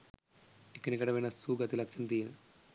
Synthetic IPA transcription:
ikːɐnikːɐɽɐmɐjnɐsuːɡɐt̪ilɐkt͡ʃint̪i

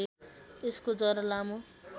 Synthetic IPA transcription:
eskod͡zʌɾʌlamu

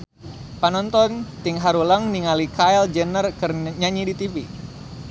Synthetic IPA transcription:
panɔnt̪ɔnt̪ɪŋɦaɾulaŋniŋalikaɛld͡ʒənərkərɲaɲidit̪ifi

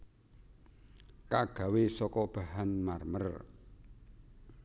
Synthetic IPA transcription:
kaɡ̥ä̤wesɔkɔb̥a̤ɦanmarmər

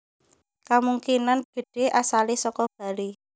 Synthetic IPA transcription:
kamuŋkinanb̥e̤ɖ̥e̤ʔasalisɔkɔb̥ä̤li

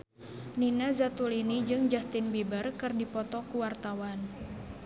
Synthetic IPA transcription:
ninazat̪ulinid͡ʒɨŋd͡ʒast̪ɪnbibərkɨrdipɔt̪ɔkuwart̪awan

